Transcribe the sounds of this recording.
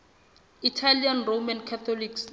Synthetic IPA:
itʰalianromankʰat̪ʰɔliks

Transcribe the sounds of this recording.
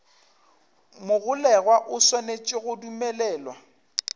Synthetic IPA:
mʊɣʊlɛɣwaʔʊsɔnet͡ʃʼɪɣʊdumɛlɛːlwa

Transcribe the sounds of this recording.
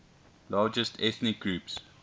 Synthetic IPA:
lɑːd͡ʒəstʰɛθnɪk̚ɡ̥ɹuːps

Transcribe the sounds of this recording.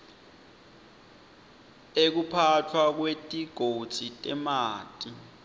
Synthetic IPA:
ek̬upʰatʰwak̬wetʼiɡ̥ʱod̥z̥ʱitʼɛmaːtʼi

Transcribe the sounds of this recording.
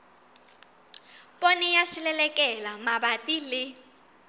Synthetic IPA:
pʼonijasilɛlɛkʼɛlamabapʼilɪ

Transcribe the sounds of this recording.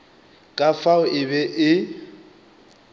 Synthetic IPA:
kʼafaʊʔɪbɛʔɪ

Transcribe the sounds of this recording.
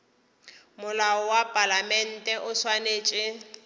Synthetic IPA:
mʊlaɔwapʼalamɛn̩tʼɛʔʊswaneːt͡ʃʼɪ

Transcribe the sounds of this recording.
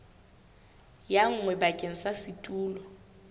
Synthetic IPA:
jaŋ̩ŋwɛbakʼeŋ̩sasitʼuːlɔ

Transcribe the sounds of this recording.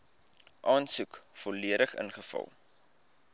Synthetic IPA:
ʔɑːnsukfɔliəɾəχə̰nχəfɐ̰lˠ

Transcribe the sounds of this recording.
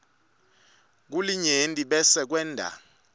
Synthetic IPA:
k̬uliɲentʼiɓɛsɛk̬wɛːndʱa̰

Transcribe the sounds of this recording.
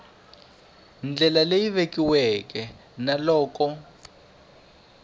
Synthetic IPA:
nd͡ɮɛlalejiβekiwɛkɛ | nalɔːkɔ

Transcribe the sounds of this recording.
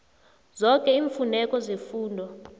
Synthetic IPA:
zɔkʼɛiːɱfunɛkʼɔzefuːndʱɔ

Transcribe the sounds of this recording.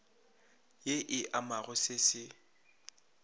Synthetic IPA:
jeʔɪʔamaɣʊsɪsɪ

